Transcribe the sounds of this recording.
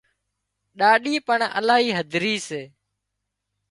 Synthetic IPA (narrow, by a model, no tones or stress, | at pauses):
ɗaːɗiːpəɳə̰laːɦiːɦəd̪ʱɾiːseː